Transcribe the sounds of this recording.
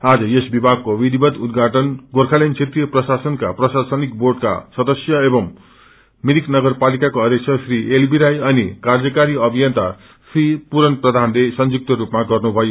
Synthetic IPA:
ad͡zʌjesbibʱaɡ̚kowid̪ibʌd̪ud̪ɡʱaʈʌnɡorkʰalent͡sʰet̪rijʌprʌsasʌnka̰prʌsasʌnik̚borɖka̰sʌd̪ʌsjʌebʌm | miɾiknʌɡʌrpalikakoʌd̪jʌk̚sʰʌsrielbiɾajʌnikard͡zʌkaɾiʌbʱijʌnt̪a | sripuɾʌnprʌd̪ʱanlesʌnd͡zuk̚t̪ʌɾupmaɡʌrnubʱʌjo

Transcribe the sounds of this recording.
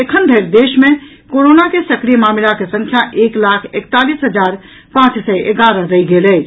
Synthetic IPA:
ekʰənd̪ʱeɾd̪eːʃmẽ | koɾonakesəkɾijəmamilakesə̃ŋkʰjaʔeklakʰekt̪alisɦəd͡ʒaɾ | pãt͡ʃsɛʔeɡaɾəɾəiɡelɛː

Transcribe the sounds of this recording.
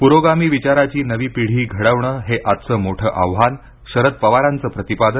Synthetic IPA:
puɾoɡamiːʋit͡ɕaɾat͡ɕiːnəʋiːpiɽ̤iːɡʱəɽəʋɳəːɦeʔat̪̚t͡səːmoʈʰəːʔaʋɦan | ɕəɾət̪̚pəʋaɾant͡səːpɾət̪ipad̪ə

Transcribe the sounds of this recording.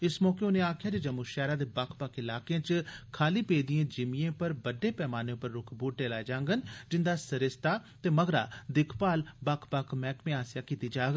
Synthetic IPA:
ɪsmɔːkeːʊneːaːkʰjaːd͡ʒed͡ʒəmuʃɛːɾãːd̪eːbakʰpakɪlaːkeãːt͡ʃkʰaːliːpeːd̪ijãːd͡ʒɪmiãːpəɾbəɖeːpɛːmaːneːʊpəɾːʊkʰbuːʈ̚ɖeːlaːed͡ʒãːŋɡənd͡ʒɪnd̪aːsəɾɪst̪aːt̪eːməɡɾa̰ːd̪ɪkʰpaːlbakʰpakʰmɛːkmẽːaːsɪjaːkiːt̪iːd͡ʒaːɡə

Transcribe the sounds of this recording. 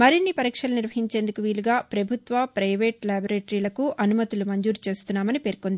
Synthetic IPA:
mɐɾinːipɐɾiːkʂɐlɐniɾʋɐɦiɲt͡ʃeːnd̪ukuʋiːluɡaːpɾɐbʱut̪ʋɐpɾɐjʋe̞ːʈlaːboɾeːʈɐɾiːlɐkuʔʔɐnumɐt̪ulumɐɲd͡ʒuːɾut͡ʃe̞ːst̪unːaːmɐnipe̞ːɾkond̪i

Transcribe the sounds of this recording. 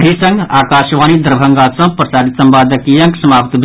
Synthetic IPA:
ɦisə̃ŋɡaːkaːʃʋaːnid̪ɾbʱəŋɡasə̃pɾəsaːd̪it̪səmbaːd̪əkijə̃ŋksəmaːpt̪b

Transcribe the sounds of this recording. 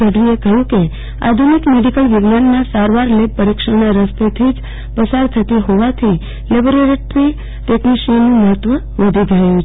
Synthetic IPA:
əɖʋiekəjũke | a̰d̪ʱunikmeɖikəlʋɪɡnanːasaɾʋaɾlebpəɾikʃəɳ̃aɾəst̪et̪ʰid͡ʒ | pəsaɾt̪ʰət̪iɦoʋat̪ʰi | leboɾeʈʈɾi | ʈekniʃinũməɦət̪ʋə | ʋəd̪ʱiɡʱəjũt͡ʃ

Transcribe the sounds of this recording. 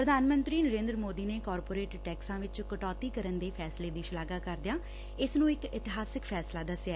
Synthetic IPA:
pɾəd̪ʱaːnmə̃nt̪ɾiːnəɾẽːnd̪ɾəmoːd̪iːneːkɔːɾpoːɾeːʈʈɛːksãːʋɪt͡ʃkəʈɔːt̪iːkəɾənd̪eːpʰɛːsleːd̪iːʃɪlaːɡaːkəɾd̪ɪjaː | ɪsnũːɪkɪt̪ɪɦaːsɪkpʰɛːslaːd̪əsjaː

